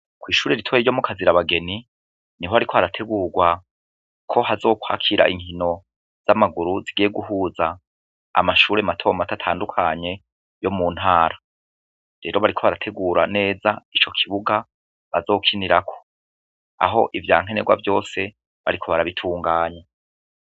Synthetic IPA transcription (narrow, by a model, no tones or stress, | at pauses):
kwiːʃuːɾeɾitʰo̞jeɾjo̞mukʰaziɾaβaɡe̞ni | niɦoaɾikʰoβaɾatʰe̞ɡuːɾɡwa | kʰo̞ɦazo̞ːkwa̰ːkʰiɾa̰ʔiŋ̥hino̞ | z̥amaɡuɾuziɡijeɡuɦuːza | a̰maʃuːɾematʰo̞matatʰaːndukʰaɲe̞ | jo̞mun̥haːɾa | ɾe̞ːɾo̞βaɾikʰo̞βaɾatʰe̞ɡuːɾane̞ːzait͡ʃo̞kʰiβuɡa | βazo̞ːkʰiniɾakʰo̞̥ | a̰ɦo̞̰ʔivjaːŋ̥e̞ne̞ɡwa̰vjo̞ːse̞ | βa̰ɾikʰo̞βaɾaβitʰuːŋɡaːɲe